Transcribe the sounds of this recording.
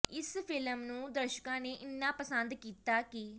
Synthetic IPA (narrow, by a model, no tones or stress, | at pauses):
ɪspʰɪləmnũːd̪əɾʃəkãːneːʔɪnːãːpəsənd̪kiːt̪aːkɪ